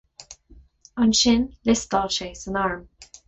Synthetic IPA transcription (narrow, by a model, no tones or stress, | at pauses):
ə̃nʃɪ̃nlɪstɔlˠʃeɪsə̃nɑɹm